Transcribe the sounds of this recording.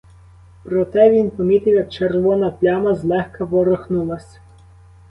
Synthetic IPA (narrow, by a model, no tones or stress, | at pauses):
pɾɔt̪ɛʋʲinpɔmʲit̪ɪwjɐk̚t͡ʃerʋɔnɐplʲamɐzlˠɛxkɐʋɔɾɔxnulˠɐsʲ